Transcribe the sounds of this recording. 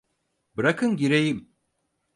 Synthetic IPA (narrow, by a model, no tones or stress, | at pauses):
bɯɾakʰɯnɟiɾejim